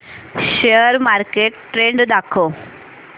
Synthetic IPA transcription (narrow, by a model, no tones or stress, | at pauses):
ɕeəɾmaɾkeʈʈɾeɳɖd̪akʰo